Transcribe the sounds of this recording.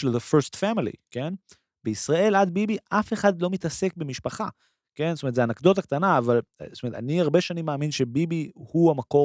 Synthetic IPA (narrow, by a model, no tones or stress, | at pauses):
ʃelðefestfamilḭke̞n | beisʁae̞lad̪̚bibiʔafe̞χadlo̞mit̪ase̞k̚bemiʃpaχa | ke̞nzsotometzeanakd̪o̞t̪̬ak̚t̪anaːvalstomet̪a̰niaʁbeʃanimːaːminʃe̞bibihuamako̞